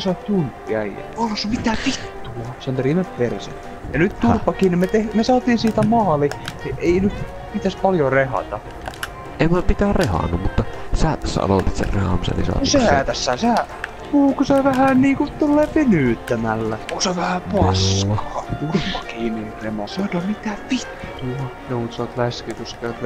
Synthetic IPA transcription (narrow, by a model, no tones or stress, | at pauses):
sɑˑt̪t̪unt̪ːiɑjjɑ̰onsmit̪æpit̪ːuɑseont̪riːmeppersḛ | jɑnyt̪t̪urpːɑkiːnimet̪ehmesɑːt̪iːnsiːt̪æmɑːlieeˑinyt̪ | pit̪æspɑljorehɑ̰t̪ɑ | eimunɑpit̪æːrehɑ̰nːummut̪ːɑsæːt̪æsːæ̰ɑ̰loˑt̪it̪sḛrrehɑ̰msḛnḭsɑ̰ːtiseæt̪æsːæsæː | puːkusɑʋæhænniːkut̪ulːeːpynyːˑt̪ːæmælːæpuːksɑʋæhæpɑskɑːt̪urpːɑkiːniremɑsɑt̪omit̪æːʋʋit̪ːɑ | nomut̪sɑˑt̪læskekuskeˑt̪